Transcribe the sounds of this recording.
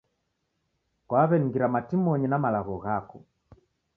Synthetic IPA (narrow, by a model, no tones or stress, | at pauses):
kwaβɛniɡiɾamatimɔɲɛnamalaɣɔɣakɔ